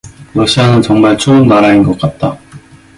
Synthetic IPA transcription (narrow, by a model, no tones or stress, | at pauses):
ɾʌɕ͈ʰianɯnt͡ɕʌŋmaɭt͡ɕʰoːnnaɾainɡʌk̚k͈at̚t͈a